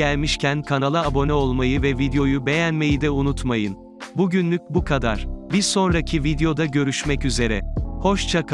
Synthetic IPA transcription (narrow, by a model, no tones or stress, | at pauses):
ælʲmiʃcʰænkʰanalˠaːbo̞nɛo̞lˠmajɯvɛvid̪ejo̞jube̞jænme̞jid̪ɛunut̪majɯn | buɟynlʲyc̚bukʰad̪a̰ɾ̥biɾso̞nɾacʰivid̪ejo̞d̪aɟø̞ɾyʃmɛcyze̞ɾɛ̰ho̞ʃt͡ʃʰak